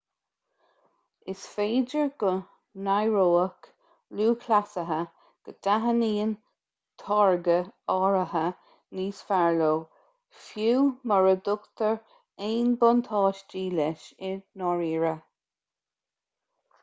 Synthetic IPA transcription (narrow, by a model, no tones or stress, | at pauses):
ɪsfeːd͡ʒəɹɡ̥ə | najɹoːək | luːkʰlasəɦə | ɡ̥əd̪̥aɦəniːən | t̪ʰɑɹɡəɑːɹəɦə | niːsfaɹloː | fjuːməɹəd̪ʊkt̪əɹ | eːnbɔnt̪ʰɑːʃd͡ʒiːlɛʃɪnɔɹiːɹə